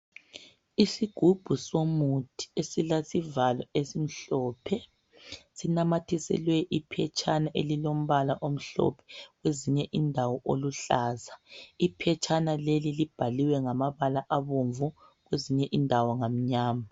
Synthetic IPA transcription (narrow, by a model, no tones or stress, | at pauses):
isiɡ̥ʱub̥ʱusomutʰi̥esilasivalɔesim̩ɬɔːpʰɛ | sinamatʰisɛ̰lwɛʔipʰɛt͡ʃʰʼanaʔelilom̩βalaʔom̩ɬɔ̰pʰɛ̥ɣweziɲɛʔindʱawɔʔoluɬaːzaipʰɛt͡ʃʰʼanalelilib̥ʱaliwɛŋamaβalaʔaβuɱvu | ɣweziɲɛʔindʱawɔŋam̩ɲaːma